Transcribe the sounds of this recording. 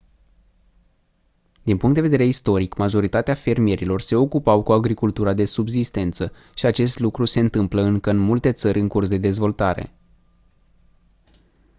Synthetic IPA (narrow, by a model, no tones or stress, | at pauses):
d̪inpuŋkt̪d̪eve̞d̪eɾe̞ist̪o̞ɾikmaʒo̞ɾit̪at̪eafe̞rmie̞ɾilo̞rse̞o̞kupawkuaɡɾikult̪uɾad̪e̞subzist̪e̞nt̪sə | ʃiat͡ʃe̞st̪lukɾuse̞ɨnt̪ɨmpləɨŋkəɨnmult̪e̞t̪səɾʲɨŋkursd̪e̞d̪e̞zvo̞lt̪aɾe̞̰